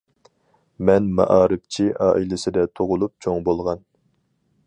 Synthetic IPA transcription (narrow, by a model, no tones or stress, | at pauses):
mɛnmɑ̰ʔɑːɾɨp̚t͡ʃʰiʔɑːʔilɪsɪd̪ɛt̪ʰoʁʊlˠup̚t͡ʃʰoŋbolˠʁɑn